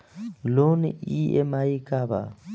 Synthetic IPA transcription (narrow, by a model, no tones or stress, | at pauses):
lonɪiɛ̰maikʼaba̰